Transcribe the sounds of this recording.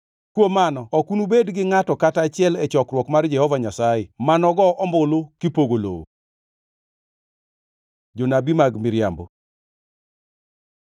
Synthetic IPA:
kwomanɔɔkunubedɡɪŋatɔkatat͡ʃɪɛlɛt͡ʃɔkrwɔkmard͡ʒɛhɔvaɲasajɛmanɔɡɔʔɔmbolokɪpoɡolo̰o̰ | d͡ʒonabimaɡmɪɾja̰mbo̰

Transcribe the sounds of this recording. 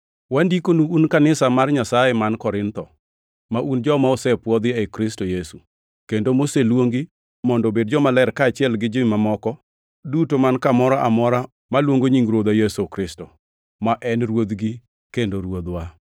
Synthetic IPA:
wandikonuːnkanɪsamarɲasajɛmankɔɾɪnt̪ɔ | maʔund͡ʒɔmaosɛpwɔd̪ɪekɾɪstojesu | kendomoselwoŋɡi | mɔndobed̚d͡ʒɔmalɛɾkaːt͡ʃɪɛlɡɪd͡ʒomamɔkɔ | dutomankamɔɾaʔa̰mɔɾa | malwoŋɡoɲiŋɡɾod̪ajesokɾɪsto | maʔɛnɾwod̪ɡi | kendoɾwod̪wa

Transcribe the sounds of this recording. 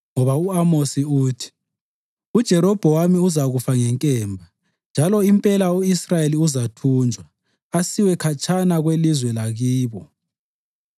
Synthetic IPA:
ŋɔβauamosiuːtʰi̥ | ud̥ʒ̥ʱɛɾɔb̥ʱɔwamiuzaɣufaŋɛŋkʼɛːmbʱa | nd͡ʒʱalɔimpʼɛlaoisrajeliuzatʰuːnd͡ʒʱwa | asiwɛkʰat͡ʃʰʼanaɣwelizwɛlaɣiːβɔ

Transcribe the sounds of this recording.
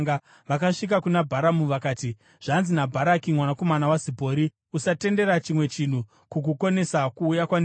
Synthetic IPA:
a | ʋakaʂik̬akunabʱaɾamuʋakaːti | ʐ̥anzinabʱaɾakimwanako̞manawazibʱo̞ːɾi | usate̞nde̞ɾat͡ʃimwe̞t͡ʃin̤u | kuk̬uko̞ne̞sakuːjakwane

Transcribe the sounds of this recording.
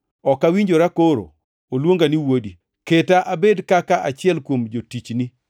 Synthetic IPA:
ɔkawiɲd͡ʒoɾakoɾo̰ | olwoŋɡaniwodi | ketaʔabedkakaʔat͡ʃɪɛlkwomd͡ʒotit͡ʃni

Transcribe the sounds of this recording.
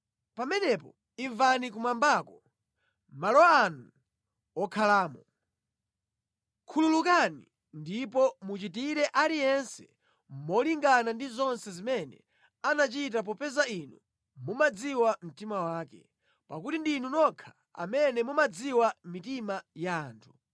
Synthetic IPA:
pamɛnɛpɔ | iɱvanik̬umambaːkɔ | malɔːnu | ɔkʰalaːmɔ | kʰululukanḭ | ndipɔmut͡ʃitiɾɛʔalijɛnsɛ̥ | mɔliŋɡanandizɔnsɛzimɛnɛ̰ | anat͡ʃit̬ap̬ɔpɛzainu | mumad͡ziwam̩timawaːkɛ | pakutindinunɔkʰḁ | a̰mɛnɛmumad͡ziwamitimajaːntʰu̥

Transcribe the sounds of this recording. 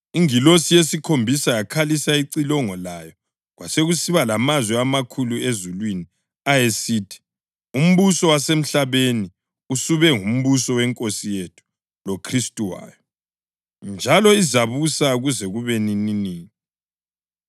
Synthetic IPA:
iŋilosijesikʰombʱisajakʰalisaiǀilɔŋɔlajɔ | ɣwaseɣusiβalamazwɛamakʰuluezulwini | ajesiːtʰi̥ | um̩βusɔwasem̩ɬaβeni | usuβɛŋum̩βusɔwɛŋkʼosijetʰu̥ | lokʰristʼuwa̰ːjɔ | nd͡ʒʱalɔizaβusaɣuzɛɣuβenininiːi

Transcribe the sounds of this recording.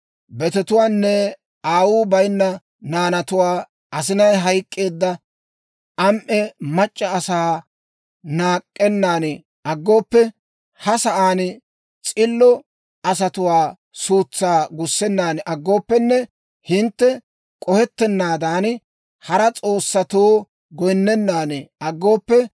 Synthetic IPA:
bɛt̪ɛt̪ʊwaːnːɛ | ʔaːwuːbɐjnːɐ | naːnɐt̪ʊwaː | ɐs̬ɪnɐjɦɐjkʼːe̞ːd̪ːɐ | ʔɐmʔɛmɐt͡ʃʼːɐːsaː | naːkʼːɛnːaːnɪ | ʔɐɡːo̞ːpːɛ | hɐsɐʔaːnɪ | t͡sʼɪlːɔ | ʔɐs̬ɐt̪ʊwaː | suːt͡sːaːɡʊsːɛnːaːnʔɐɡːo̞ːpːɛnːɛ | hɪnt̪ːɛ | kʼɔhɛt̪ːɛnːaːd̪aːn | hɐɾɐt͡sʼo̞ːsːɐt̪oː | ɡɔjnːɛnːaːnɪɐɡːo̞ːpːɛ

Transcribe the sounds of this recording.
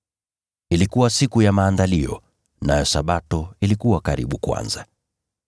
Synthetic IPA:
ilikuwasikujamaːndaliɔ̰ | najɔsaɓatɔilikuwakaɾḭɓukwa̰nza

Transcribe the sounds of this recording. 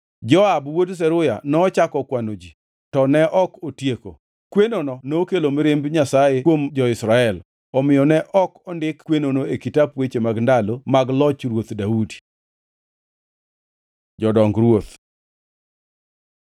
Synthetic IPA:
d͡ʒɔabwods̬ɛɾʊja̰nɔːt͡ʃakɔkwanod͡ʒi | tɔnɛʔɔkotjeko̰ | kwenonɔnokelomeɾembɲasajewomd͡ʒɔɪsɾaɛl | ɔmɪjɔnɛʔɔkɔndɪkkwenonoekitapwet͡ʃemaɡndalomaɡlɔt͡ʃɾwot̪daudi̥ | d͡ʒɔdɔŋɡɾwot̪

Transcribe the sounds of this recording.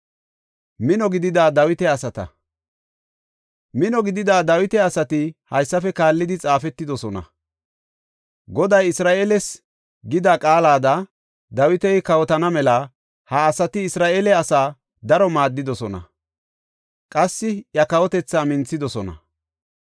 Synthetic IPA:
mɪnɔɡɪd̪ɪd̪aːd̪ɐwɪt̪ɛɐsɐt̪ɐ̰ | mɪnɔɡɪd̪ɪd̪aːd̪ɐwɪt̪ɛɐsɐt̪ɪhɐjsːɐfɛkaːlːɪd̪ɪt͡sʼaːfɛt̪ːɪd̪ɔsɔnɐ̰ | ɡɔd̪ɐjɪsɾaːʔeːlɛs | ɡɪd̪akʼaːlaːd̪ɐ | d̪ɐwɪt̪ɛjkɐwɔt̪ɐnɐmɛlɐ | hɐːsɐt̪ɪɪsɾaːʔeːlɛɐsaː | d̪ɐɾɔmaːd̪ːɪd̪ɔsɔnɐ̰ | kʼɐsːɪjɐkɐwɔt̪ɛt͡sːaːmɪnt͡sːɪd̪ɔsɔnɐ̰

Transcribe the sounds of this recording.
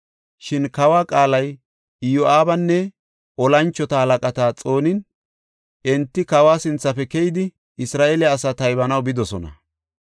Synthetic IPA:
ʃɪnkɐwaːkʼaːlɐj | joʔaːbɐnːɛ | ɔlɐnt͡ʃːɔt̪ɐhɐlɐkʼɐt̪aːt͡sʼo̞ːnɪn | ʔɛnt̪ːɪkɐwaːsɪnt͡sːɐfɛkɛjɪd̪ɪ | ɪsɾaːʔelɪːsaːt̪ɐjbɐnɐwbɪd̪ɔsɔnɐ̰

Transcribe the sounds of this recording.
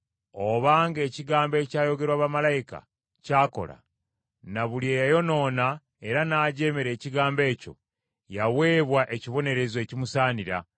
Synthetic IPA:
o̞βaːŋɡe̞ːciɡaːmbe̞ːcaːjo̞ɡe̞ɾwaːβamalajika̰ | caːko̞̰la̰ | naβuljeːjajo̞no̞ːna | e̞ɾanaːɟe̞ːmeɾe̞ːciɡaːmbe̞ːco̞̰ | jawe̞ːβwaʔe̞ciβo̞ne̞ɾe̞zwe̞cimusaːniɾa̰

